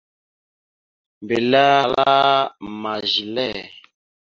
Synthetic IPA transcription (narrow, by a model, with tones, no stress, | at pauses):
mbe˨la˦a˦˨la˦ma˨ʒi˨lɛ˦˨